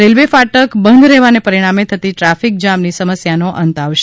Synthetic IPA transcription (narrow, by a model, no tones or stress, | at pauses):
ɾelʋefaʈəkbənd̪ɾɛʋanepəɾiɽ̃amet̪ʰət̪iʈɾafik̚d͡ʒamnisəməsjanoʔənt̪aʋʃe